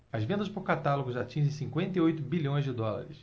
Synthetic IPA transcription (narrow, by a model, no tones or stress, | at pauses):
ɐzvẽnd̪ɐspoɾkat̪aloɡʊʒat͡ʃĩʒẽj̃sĩŋkwẽnt̪eojt̪ʊbiʎʲõj̃zd͡ʒɪd̪ɔla̰ɾɪs